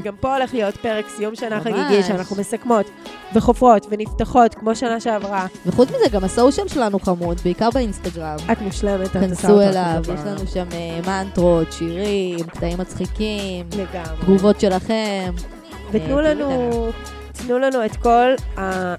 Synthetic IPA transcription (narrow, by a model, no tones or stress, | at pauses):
ɡampo̞ole̞χlijo̞tpeʁeksjumʃanaaɡiɡiʃeanaχnumesakmo̞t | veχofʁo̞tveniftaχo̞tkmo̞ʃanaʃeavʁaveχut͡smizeɡamasauʃamʃelanuχamudbeikaʁbeinst̪aɡʁamat̪muʃlemetakansuelavjeʃlanuʃamemantʁotʃiʁimktaimːat͡sχikimleɡamʁdɡuvo̞tʃe̞laχem | vetnulanu | tnulanuetko̞la